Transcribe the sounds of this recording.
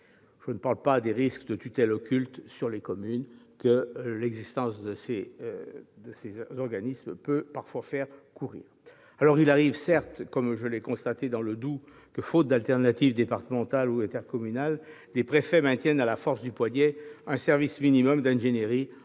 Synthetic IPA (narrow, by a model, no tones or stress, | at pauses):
ʒ̥ənəpaʁlpad̪eʁiskd̪ət̪yt̪ɛlɔkʲylt̪syʁlekɔmynkəlɛɡzist̪ɑ̃sd̪əse | d̪əsezɔʁɡanismpøpaʁfwafɛʁkuʁḭːʁ | alɔʁilaʁivsɛʁt̪kɔmʒəlɛkɔ̃st̪at̪ed̪ɑ̃ləd̪u | kəfot̪̚d̪alt̪ɛʁnat̪ivd̪epaʁt̪əmɑ̃t̪aluɛ̃t̪ɛʁkɔmynald̪epχefɛmɛ̃t̪jɛnalafɔʁsd̪ypwaɲjɛɛ̃sɛʁvisminimɔmd̪ɛ̃ʒenjeʁi